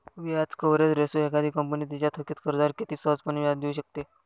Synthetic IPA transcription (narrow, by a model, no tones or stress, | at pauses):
ʋiad͡zkəʋɾet͡sɾesoɦekad̪ʱiːkəmpəniːt̪̬it͡ɕat̪ʰəkiːt̪kəɾd͡zaɾkit̪iːsəɦəd͡zpəniʋjad̪euɕək̚t̪e